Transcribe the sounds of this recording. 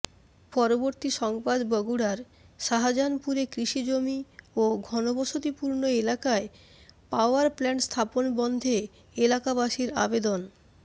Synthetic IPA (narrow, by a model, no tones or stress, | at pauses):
pɔɾoboɾt̪iʃɔŋbad̪bɔɡuɽaɾ | ʃaɦad͡ʑanpuɾekɾiʃid͡ʑomioɡʱɔnobɔʃot̪ipuɾnoelakae | paoaɾplɛnst̪ʰaponbɔnd̪ʱe | elakabaʃiɾa̰bed̪on